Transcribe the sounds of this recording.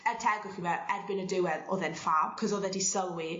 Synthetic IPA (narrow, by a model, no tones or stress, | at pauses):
ɛrtʰɛɡɔχivɛɛrbɪnədɪwɛðɔðɛnfaːb̚kʰɔzɔðɛdisəlˠwi